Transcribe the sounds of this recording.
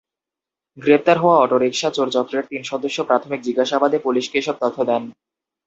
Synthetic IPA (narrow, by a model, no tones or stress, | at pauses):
ɡɾep̚t̪aɾɦɔoaɔʈoɾekʃat͡ɕoɾt͡ɕɔkɾeɾt̪inʃɔd̪oʃːopɾat̪ʰomik̚d͡ʑiɡaʃabad̪epuliʃkeeʃɔb̚t̪ɔt̪ʰːod̪ɛn